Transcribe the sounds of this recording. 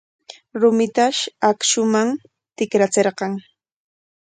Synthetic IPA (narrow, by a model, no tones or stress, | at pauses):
ɾʊmɪt̪aʃakʃʊmam | t̪ɪkɾat͡seɾqɑŋ